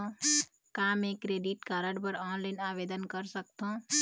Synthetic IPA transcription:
kaːmẽːkɾeːɖiʈkaːɾəɖpəɾɔːnlaɪnaːʋeːd̪ənkəɾsək̚t̪õ

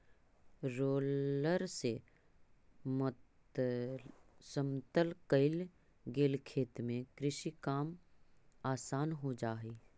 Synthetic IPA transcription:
ɾoːləɾse | mt | səmt̪əlkəɪl | ɡeːlkʰeːt̪mẽkɾɪʃikaːm | aːsaːnɦod͡ʒaːɦeː

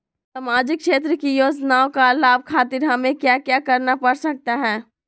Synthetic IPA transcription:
saːmaːd͡ʒɪkʃeːt̪̬ɾəkijoːd͡ʒnaːõkalaːb̚kʰaːt̪iɾɦɐmẽkjaːkjaːkɐɾnapɐɽsɐk̚t̪aɦɛ̃ː

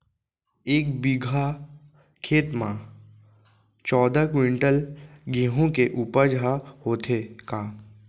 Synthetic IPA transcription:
eːkbɪɡʱa | kʰeːt̪mã | t͡ʃɔːd̪akwɪ̃ɳʈəlɡiɦõkeʔuːpəd͡ʒʱahoːt̪ʰekaː

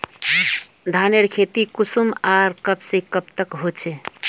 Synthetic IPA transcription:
d̪ʱaneɾkʰet̪ikusumaɾkəbsẽkəp̚t̪əkɦot͡ʃʰe

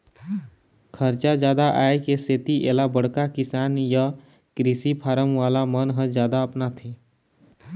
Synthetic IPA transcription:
kʰəɾt͡ʃazjaːd̪aʔa̰ːekeset̪iʔeːlabəɽ̤kakɪsaːnja | kɾisipʰaːɾəmʋaːlamənɦə̃zjaːd̪aəpnat̪ʰeː

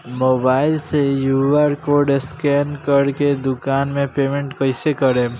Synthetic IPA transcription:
moːbaːɪlsejuʋəɾkoɾɖeskɛnkəɾked̪ʊkaːnmẽpemẽɳʈkəɪsekəɾe

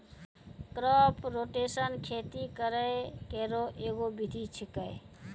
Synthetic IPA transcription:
kɾɔpɾoʈesənkʰet̪ikəɾəkeɾoʔeɡobid̪ʱit͡ʃʰikəj

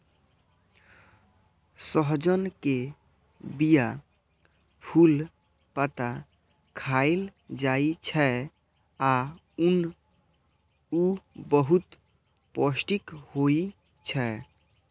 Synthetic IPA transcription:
səɦd͡ʒənke | bija | pʰul | pət̪a | kʰaild͡ʒait͡ʃʰɛ | a | un | ubəɦut̪ | pɔsʈikhoi | t͡ʃʰɛ

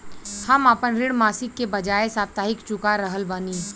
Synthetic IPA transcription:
hɐmapənɾɪɽmaːsɪkːebɐd͡ʒaːesaːft̪aːɦɪkt͡ʃʊkaɾəɦəlbaniː

